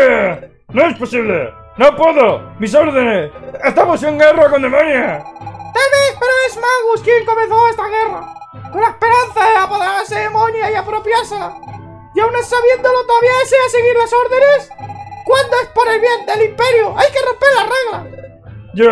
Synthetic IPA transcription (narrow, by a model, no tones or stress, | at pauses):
noesposiβlḛ | nopweðomisoɾðenesest̪amos̬eŋɡerokond̪emonjat̪alβeθpeɾoezmaɣuskjeŋko̞menθoest̪aɣ̞e̞ra̰kolaespe̞ɾanθaðeapoðeɾaɾseðemõnjaiapɾo̞pjaɾsela | jawnessaβje̞nd̪olot̪oðaβiaðeseaseɣiɾlaso̞ɾðe̞ne̞skwand̪oespoɾe̞lβjend̪e̞limpe̞ɾjoʔajke̞ro̞mpe̞ɾlare̞ɣla | o